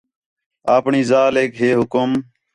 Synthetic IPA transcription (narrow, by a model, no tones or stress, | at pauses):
aːpɳiːzaːleːkɦeːɦʊkʊm